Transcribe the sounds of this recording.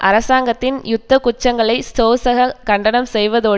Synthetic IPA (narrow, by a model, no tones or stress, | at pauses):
ʔɐ̰ɾɐsaːŋɡɐt̪ːɪnjʊt̪ːɐkʊt͡ʃːɐŋɡɐɭɐɪsoːsɐɣɐkɐɳɖɐnɐmsɛjʋɐðoː